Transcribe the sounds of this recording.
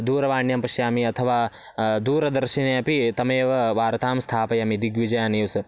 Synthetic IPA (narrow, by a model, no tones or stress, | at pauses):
d̪uːɾɐʋaːɳjɐmpɐʃjaːmiɐt̪ʰɐʋaː | d̪uːɾɐd̪ɐɾʃinɐjɐpit̪ɐmeːʋɐʋaːɾɐt̪ʰaːmst̪ʰaːpɐjɐmid̪iɡʋid͡ʒɐjaːniːʋsɐ